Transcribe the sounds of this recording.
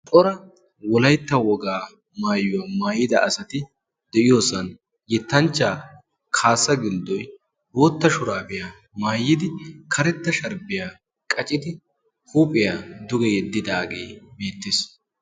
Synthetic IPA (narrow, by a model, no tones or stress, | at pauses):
t̪ʼɔɾɐ | wɔlɐjt̪ːɐwɔɡaː | maːjːʊwamaːjɪd̪ɐʔɐsɐt̪ɪ | d̪̥ɛʔɪjo̞ːsɐn | jɛt̪ːɐnt͡ʃːaː | kʰaːsːɐɡɪld̪ɔj | bo̞ːt̪ːɐʃʊɾaːbɪjaː | maːjːɪd̪ɪkʰɐɾɛt̪ːɐʃɐɾbɪjaː | kʼɐt͡ʃʼɪd̪ɪ | huːpʼɪjaːd̪ʊɡɛjɛd̪ːɪd̪aːɡḛːbe̞ːt̪ːɪs